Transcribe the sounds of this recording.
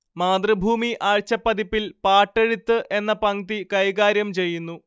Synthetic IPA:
maːd̪rɨbʱuːmiʔʔaːɻt͡ɕɐpːɐd̪ipːilpaːʈːeɻut̪ːɨʔe̞nːɐpɐŋt̪ikɐjɡaːɾjɐmt͡ɕe̞jːunːu

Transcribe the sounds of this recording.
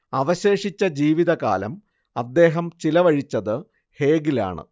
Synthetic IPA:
ɐʋɐɕe̞ːʂit͡ɕːɐd͡ʑiːʋiðɐka̰ːlɐ̰m | ɐd̪ːe̞ːɦɐmt͡ɕilɐʋɐɻit͡ɕːɐðɨ | he̞ːɡila̰ːɳɨ̰

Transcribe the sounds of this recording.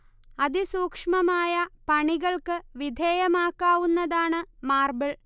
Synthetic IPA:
ɐd̪isuːkʂmɐmaːjɐpɐɳiɣɐɭkɨʋid̪ʱeːjɐmaːkːaːʋunːɐðaːɳɨmaːrbɐɭ

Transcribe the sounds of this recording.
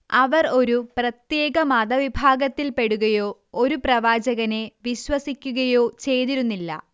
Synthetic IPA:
ɐʋɐro̞ɾuprɐt̪je̞ːɡɐmɐd̪ɐʋibʱaːɡɐt̪ːilpe̞ɽuɣɐjo̞ː | oɾuprɐʋaːd͡ʑɐɣɐne̞ʋiɕwɐsikʲːuɣɐjo̞ːt͡ɕe̞jt̪iɾunːilːɐ̰

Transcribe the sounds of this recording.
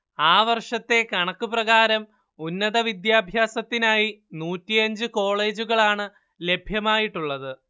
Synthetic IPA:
aːʋɐrʂɐt̪ːe̞kɐɳɐkːuprɐɣaːɾɐm | unːɐðɐʋid̪jaːbʱjaːsɐt̪ːinaːjinuːtːijɐɲd͡ʑɨko̞ːɭe̞ːd͡ʑuɣɐɭaːɳɨ | le̞bʱjɐmaːjiʈːuɭːɐðɨ

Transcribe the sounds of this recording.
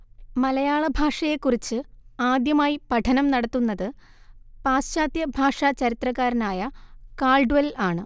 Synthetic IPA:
mɐlɐjaːɭɐbʱaːʂɐje̞kːurit͡ɕːɨaːd̪jɐmaːjipɐʈʰɐnɐmnɐɽɐt̪ːunːɐðɨ | paːsɕaːd̪jɐbʱaːʂɐt͡ɕɐɾit̪rɐkːaːɾinaːjɐkaːɭɖʋɐlaːɳɨ

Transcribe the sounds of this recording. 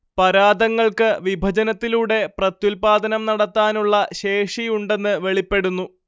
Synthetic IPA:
pɐɾaːd̪ɐŋːɐɭkɨʋibʱɐd͡ʑɐnɐt̪ːiluːɽe̞prɐt̪julpaːd̪ɐnɐmnɐɽɐt̪ːaːnuɭːɐɕe̞ːʂijuɳɖe̞nːɨʋe̞ɭipːe̞ɽunːu

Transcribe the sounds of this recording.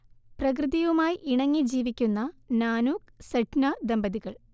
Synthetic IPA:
prɐk̬rɨðiʋumaːjiʔiɳɐŋːid͡ʑiːʋikʲːunːɐnaːnuːksɐʈnɐd̪ɐmbɐðiɣɐɭ

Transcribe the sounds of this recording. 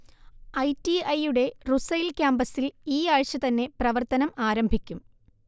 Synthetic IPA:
ɐjtiɐjuɽe̞rusɐjlkʲaːmbɐsiliːaːɻt͡ɕːɐt̪ɐnːe̞prɐʋɐrt̪ɐnɐmaːɾɐmbʱikʲːum

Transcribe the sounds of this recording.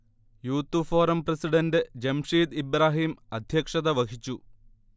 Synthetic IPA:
juːt̪ːufo̞ːɾɐmprɐsiɽɐndɨd͡ʑemʂiːt̪ibɾaːɦiːmɐd̪ʱjɐkʂɐðɐʋɐkʰit͡ɕːu

